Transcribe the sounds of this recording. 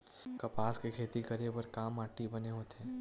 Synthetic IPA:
kɐpaːskekʰeːt̪ikɐɾepɐɾkaːmaːʈːibɐneɦoːt̪eɦɛ̃ː

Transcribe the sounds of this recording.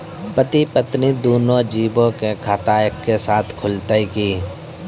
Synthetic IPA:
pət̪ipət̪nid̪oːnõd͡ʒiːbõkekʰaːt̪aekːesaːt̪ʰkʰʊlt̪əikiː

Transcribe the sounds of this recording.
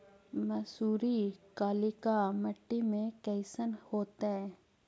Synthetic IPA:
mɐsuːɾikaːlikaməʈːimẽkɛːɪsənhoːt̪aɦɛ̃ː

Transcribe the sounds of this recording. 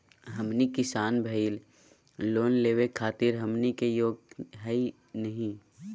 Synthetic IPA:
ɦəmnikɪsaːnbʱəiːl | loːnleːwekʰaːt̪ɪɾɦəmnikejoːɡ̚ɦɛi | nəɦĩ

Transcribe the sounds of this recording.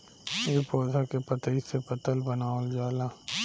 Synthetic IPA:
eːpoːd̪ʱakepət̪əisepət̪əlbənaːold͡ʒaːlaː

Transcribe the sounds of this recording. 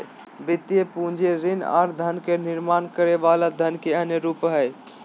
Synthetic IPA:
bɪt̪jepũd͡ʒʱeɾɪna̰ːɾd̪ʱənkenɪɾmaːnkəɾeʋalad̪ʱənkeəɦneɾupɦəj

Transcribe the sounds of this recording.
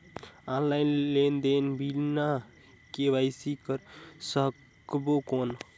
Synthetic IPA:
ãllajnlend̪enbʱilna | keβajsikəɾsək | bokon

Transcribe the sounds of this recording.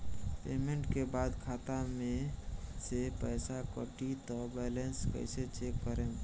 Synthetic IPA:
pḛmeɳʈkebad̪kʰat̪amẽsepəɪsakə̰ʈit̪ɔbɛlenskə̰ɪset͡ʃekːəɾe

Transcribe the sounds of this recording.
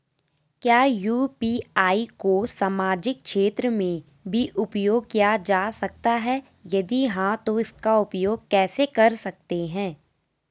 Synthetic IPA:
kjaːjuːpiːaːikosaːmaːd͡ʒɪk̚ʃeːt̪ɾəmẽ | bʱiʔʊpjoːɡ̚kijad͡ʒaːsɐk̚t̪aɦɛː | jɐd̪iɦãt̪oɪskaʊpjoːɡkɛːsekɐɾsɐk̚t̪eɦɛ̃ː

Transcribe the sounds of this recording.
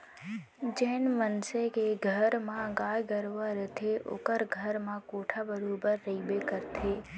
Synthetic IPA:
d͡ʒɛːnmənsekeɡʱəɾmãɡaːjɡəɾʋaɾət̪ʰeʔo̰ːkəɾɡʱəɾmãkoːʈʰabəɾoːbəɾːeibekəɾt̪ʰeː

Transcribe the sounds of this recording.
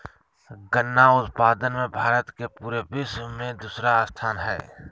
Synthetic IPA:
ɡənːaʊt̪paːd̪ənmẽbʱaːɾət̪kepuːɾebɪsmẽd̪uːsɾaːst̪ʰaːnɦɛː

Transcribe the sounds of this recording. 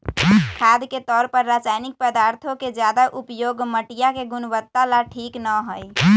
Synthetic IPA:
kʰad̪ket̪ɔɾpəɾːat͡ʃajnik̚pəd̪aɾt̪ʰoked͡ʒjad̪aʔupjoɡməʈijakeɡunbət̪ːalaʈʰiknəɦoj

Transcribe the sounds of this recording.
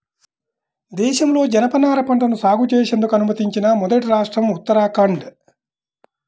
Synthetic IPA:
d̪ɛːʃɐmlo̞ːd͡ʒɐnɐpɐnaːɾɐpɐɳʈɐnusaːɡut͡ʃeːʃend̪ukɐnumɐt̪iɲt͡ʃinɐmɔd̪ɐʈiɾaːʂʈɾɐmut̪ːɐɾaːkɐɳɖ

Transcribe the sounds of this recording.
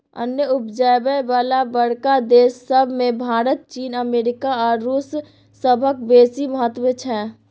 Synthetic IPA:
ə̰njəʊpd͡ʒabəjʋaːlabəɽkad̪eːsːəbʱmẽbʱaːɾət̪̚t͡ʃiːnəmeːɾɪkaɔːɾːuːsː | əbʱək̚beːsiməɦət̪wət͡ʃʰɛ

